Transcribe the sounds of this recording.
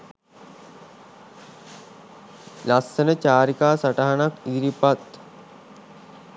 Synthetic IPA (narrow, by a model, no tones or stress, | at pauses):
lasənət͡ɕaːɾikaːsaʈaɦanakiɾipat̪